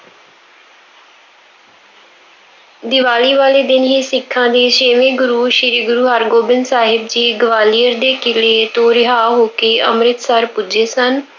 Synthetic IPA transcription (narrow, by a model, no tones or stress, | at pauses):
d̪ɪʋaːliːʋaːleːd̪ɪnɦiːsɪkʰːãːd̪eːʃeːʋẽːɡʊɾuːʃɪɾiːɡʊɾuːɦaɾɡoːbɪnsaːɦɪbd͡ʒiːɡəʋaːliːəɾd̪eːkɪleːt̪õːɾɪɦaːɦoːkeːʔə̰mɾɪt̪səɾpʊd͡ʒeːsən